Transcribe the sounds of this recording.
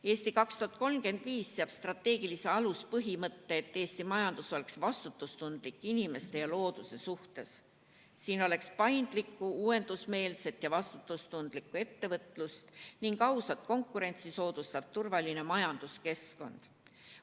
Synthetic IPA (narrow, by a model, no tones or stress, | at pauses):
e̞ːst̪ikɑkst̪uɦɑt̪̚ko̞lmke̞nd̪̥viːsːeɑb̥st̪rɑt̪ːe̞ːɡ̥ilise̞ɑluspɤɦimɤt̪ːe̞ːt̪ːeːst̪imɑjɑnd̪̥uso̞le̞ksvɑst̪ut̪ːˑust̪und̪̥likːˑinime̞st̪e̞jɑlo̞ːd̪̥use̞suht̪e̞s | siːno̞le̞kspɑjnd̪̥likːˑuuːe̞nd̪̥usme̞ːlse̞t̪jɑvɑst̪u̥t̪ˑːust̪und̪̥likːˑue̞t̪ːe̞vɤt̪ˑlust̪niŋɡɑwsɑt̪̚ko̞ŋkːˑuɾe̞nʲt̪siso̞ːd̪̥ust̪ɑb̥̚t̪urvɑline̞mɑjɑnd̪̥uske̞sko̞nd̪̥